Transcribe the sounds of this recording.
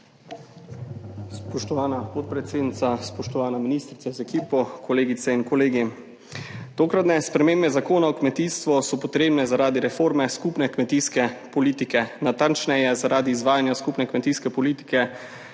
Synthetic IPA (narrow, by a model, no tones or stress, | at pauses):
spɔʃt̪ɔʋaːnapɔt̪̚pɾɛt̪seːd̪nit̪saspɔʃt̪ɔʋaːnaminiːst̪ɾit̪azɛkiːpɔkʰoleːɡit̪sɛinkɔleːɡi | t̪oːkɾat̪nɛspɾɛmeːmbɛzakoːnaɔkmɛt̪ist̪ʋɔsɔpɔt̪ɾeːbnɛzaɾaːd̪iɾɛfoːɾmɛskupnɛkmɛt̪iːskɛpɔliːt̪ikɛnat̪ant͡ʃnɛjɛzaɾaːd̪iːzʋaːjanjaskupnɛkmɛt̪iːskɛpɔliːt̪i̥kɛ